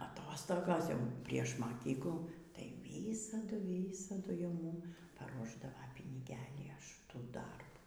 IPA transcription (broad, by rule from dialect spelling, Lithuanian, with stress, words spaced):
ɐˈtoːstoːɡoːs jɛʊ pʲrʲiɛʃ mɐˈkʲiːklˠuː tɐɪ ˈʋʲiːsɐdʊ ˈʋʲiːsɐdʊ jɛʊ ˈmuːm pɐˈruɔʒdɐʋɐ pʲɪnʲɪˈɡʲæːlʲiː ɐʃ ˈtuː ˈdɐrbuː